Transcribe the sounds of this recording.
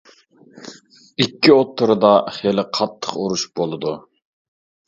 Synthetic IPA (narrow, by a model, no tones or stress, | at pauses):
ikʲːiot̪ʰːɨɾɨd̪ɑχelɪqʰɑt̪ʰːə̥quɾuʃb̥olˠɨd̪u